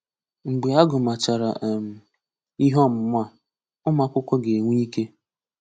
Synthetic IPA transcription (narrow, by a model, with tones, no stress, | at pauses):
ŋ͡m̩˨ɡ͡be˨a˦ɡʊ˨ma˨t͡ʃa˨ɾa̰˨ʔm̩˨ | i˦ɦɔ˦˨m̩˨mʷ˦a˦˨ | ʊ˦ma˦kʷʊ˦kʷɔ˦ɡe˨ŋʷi˦i˦ke˦